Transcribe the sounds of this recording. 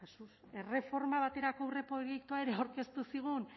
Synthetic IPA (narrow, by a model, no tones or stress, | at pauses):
kasu | e̞re̞fo̞ɾmaβ̞at̪e̞ɾakowre̞po̞jekt̪uae̞ɾe̞awɾke̞st̪usiɣ̞un